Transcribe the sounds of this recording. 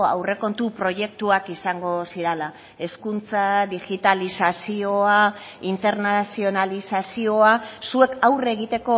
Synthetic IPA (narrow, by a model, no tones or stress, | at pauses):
a̰wre̞ko̞nt̪upɾo̞ʝe̞k̚t̪uakisaŋɡo̞siɾela | e̞skunt͡saðiɣit̪alisasio̞a | int̪e̞ɾnasio̞nalisasio̞asue̞kawre̞ɣ̞it̪e̞ko̞